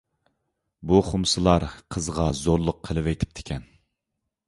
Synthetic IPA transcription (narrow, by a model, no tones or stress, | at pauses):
buχʊmsɨlˠɑɾqʰəzʁɑzoɾlˠʊqʰəlˠɨwɛjt̪ʰɪ̥p̚t̪ʰɪ̥kʲɛn